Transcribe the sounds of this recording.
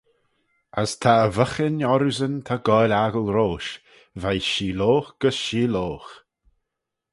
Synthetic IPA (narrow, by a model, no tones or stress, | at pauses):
əst̪ʰaəvəxənɔɾuzənt̪ʰaɡɔjlʲaɡəlɾoːʃ | vajʃiːloːxɡ̥əsʃiːloːx